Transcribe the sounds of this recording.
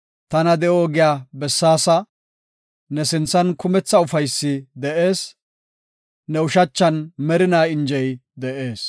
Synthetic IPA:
t̪ɐnɐd̪ɛʔoːɡɪjaːbɛsːaːsɐ | nɛsɪnt͡sːɐnkʊmɛt͡sːɐʊfɐjsːɪd̪ɛʔe̞ːs | nɛʊʃɐt͡ʃːɐnmɛɾɪnaːɪnd͡ʒɛjd̪ɛʔe̞ːs

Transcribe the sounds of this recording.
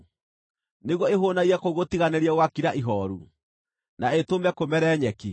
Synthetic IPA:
neɣwɔeɦonaiɛkoɣotiɣaneɾiɛwakiɾaʔiɦɔɾṵ | naetomɛkomɛɾɛːɲɛki

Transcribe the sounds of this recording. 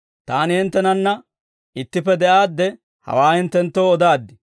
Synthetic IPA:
t̪aːnɪhɪnt̪ːɛnɐnːɐ | ɪt̪ːɪpːɛd̪ɛʔaːd̪ːɛ | hɐ̰waːhɪnt̪ːɛnt̪ːoːɔd̪aːd̪ːɪ

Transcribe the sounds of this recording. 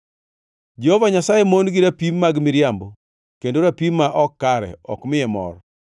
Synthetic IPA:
d͡ʒɛhovaɲasajemonɡiɾapimmːaɡmɪɾjambo | kendoɾapimːaʔɔkːaɾɛ̰ɔ̰kmɪɛmɔ̰ɾ

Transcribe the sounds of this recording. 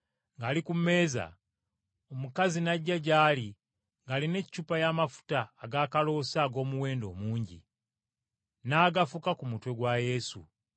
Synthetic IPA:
ŋɡaːlikumːe̞ːza̰ | omukazinaɟːaɟaːli | ŋɡaːline̞cːupajamafu̥taːɡaːkalo̞ːsaːɡo̞ːmuwe̞ːndo̞̰ːmuːɲɟḭ | naːɡafukakumutwe̞ɡwaje̞sṵ

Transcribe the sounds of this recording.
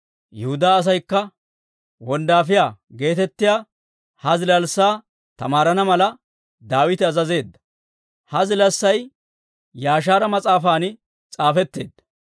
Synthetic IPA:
jɛhʊd̪aːɐs̬ɐjkːɐ | wɔnd̪aːfɪjaːɡe̞ːt̪ɛt̪ːɪjaː | hɐzɪlɐlsːaː | t̪ɐmaːɾɐnɐmɐlɐ | d̪aːwɪt̪ɪɐzɐze̞ːd̪ːɐ̥ | hɐzɪlɐsːɐj | jaːʃ̬aːɾɐmɐt͡sʼaːfaːnɪ | t͡sʼaːfɛt̪ːe̞ːd̪ːɐ̥

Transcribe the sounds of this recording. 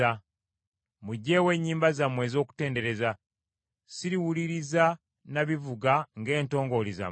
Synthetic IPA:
a | muɟːe̞ːwe̞ːɲːiːmbazamwe̞ːzo̞ːku̥te̞ːnde̞ɾe̞za | siɾiwuliɾiza | naβivuɡaŋɡe̞ːnto̞ːŋɡo̞liza̰

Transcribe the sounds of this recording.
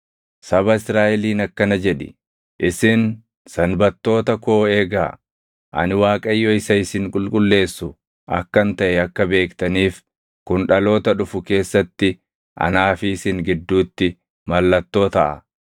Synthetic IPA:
sɐbɐɪsɾaːʔɛliːnɐkːɐnɐd͡ʒɛᶑɪ̰ | ʔɪsɪn | sɐnbɐt̪ːo̞ːt̪ɐkoːe̞ːɡaː | ʔɐ̰nɪwaːkʼɐjːɔɪsɐɪsɪŋkʼʊlkʼʊlːe̞ːsːʊ | ʔɐ̰kːɐnt̪ɐʔɛɐkːɐbe̞ːkt̪ɐniːf | kʊnᶑɐlo̞ːt̪ɐᶑʊfʊke̞ːsːɐt̪ːɪ | ʔɐ̰naːfɪːsɪŋɡɪd̪ːuːt̪ːɪ | mɐlːɐt̪ːo̞ːt̪ɐʔɐ̰

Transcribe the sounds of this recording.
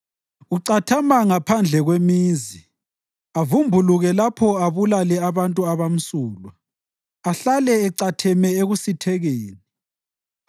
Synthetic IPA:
uǀatʰamaŋapʰand͡ɮʱɛɣwemiːzi | avumbʱuluɣɛlapʰɔaβulalɛaβantʼuaβam̩suːlwa | aɬalɛɛǀatʰɛmɛeɣusitʰɛɣeːni

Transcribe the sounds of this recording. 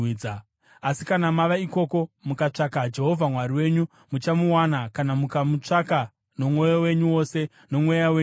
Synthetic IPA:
a | asikanamaʋaiko̞ko̞mukat͡ʂakad͡ʒe̞ɦo̞vʱamwariwe̞ːɲu | mut͡ʃamuwanakanamukamut͡ʂaka | no̞mwo̞jowe̞ɲuwo̞se̞ | no̞mwo̞jawe

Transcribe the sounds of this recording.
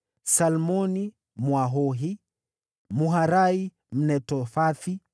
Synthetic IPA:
salmɔni | mwaɦɔɦi | muɦaɾai | m̩nɛtɔfaθi

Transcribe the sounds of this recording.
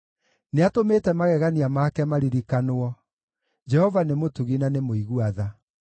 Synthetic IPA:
neatometɛmaɣɛɣaniamakɛmaɾiɾikanoɔ | d͡ʒɛhɔvanemotuɣinanemoiɣuaða

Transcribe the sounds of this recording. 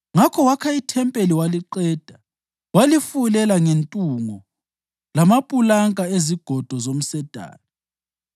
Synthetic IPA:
ŋakʰɔwakʰaitʰɛmpʼeliwaliǃɛːd̥ʱa | walifulɛlaŋentʼuŋɔ | lamapʼulaŋʼaeziɡ̥ʱɔd̥ʱɔzom̩sɛd̥ʱa̰ːna

